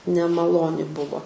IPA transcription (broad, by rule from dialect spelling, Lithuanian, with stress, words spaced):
nʲɛmɐˈlˠoːnʲɪ ˈbʊʋoː